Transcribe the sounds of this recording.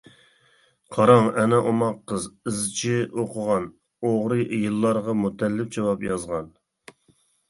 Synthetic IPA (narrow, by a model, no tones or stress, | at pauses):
qʰɑɾɑŋɛnɛʔomɑqːəzɨzt͡ʃʰɪoqʰəʁɑn | oʁɾɨjɨlˠːɑɾʁɑmut̪ʰɛlːɪp̚d͡ʒɑwɑpjɑzʁɑn